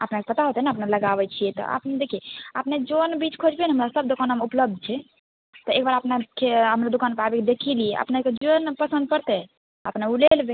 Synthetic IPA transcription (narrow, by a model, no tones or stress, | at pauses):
ə̰pnekepət̪aɦot̪ɛnaəpneləɡaβɛt͡ʃʰijɛt̪ɔ̰ʔə̰pned̪ekʰijeəpned͡ʒonbit͡ʃkʰod͡ʒbeneɦəmɾasəb̚d̪okanəmupləb̚d̪̚ʱt͡ʃʰɛ | t̪ɔek̚baɾəpnakeɦəmɾad̪ukanpabeked̪ekʰiliɛʔə̰pneked͡ʒonpəsə̃nd̪̚pəɾt̪ɛ | əpnaulelbe